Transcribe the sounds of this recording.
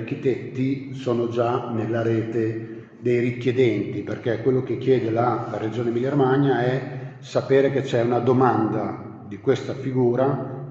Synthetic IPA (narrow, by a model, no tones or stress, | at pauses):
rk̟it̪ɛt̪ːi | soːnod͡ʒanelːaɾeːt̪e | d̪ejrikːjed̪ɛnt̪iperkekwelːokekːjɛːd̪elalaɾed͡ʒoːnemilermaɲːaɛsapeːɾeket͡ʃːɛunad̪omand̪a | d̪ikwest̪afiɡuːɾa